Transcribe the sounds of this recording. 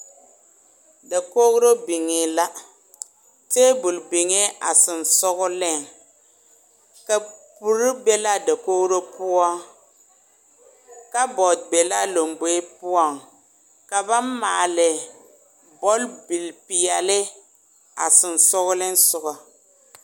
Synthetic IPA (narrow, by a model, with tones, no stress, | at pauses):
da˨ko˦ɣɾo˦bi˨ŋɪ˨la˦ | teː˦bʊ˨lbɪ˨ŋe˦a˨sɪ˨nsʊ˦ɣʊ˦lɪ˦˨ŋ | ka˨pu˨ɾɪ˦be˦la˦da˨koː˦ɣɾo˦pʊ˦ɔ˦ | ka˦bɔ˨dbe˨la˦lo˨mbe˨˦pʊ˦ɔ˨ŋ | ka˨ba˦mmaː˨lɪ˨ | bɔ˦lbi˨lpɪ˨jɛ˨lɪ˦ | a˨sɪ˨n˨sʊ˦ɣʊ˦lɪ˦n˦sʊ˨ɣɔ˨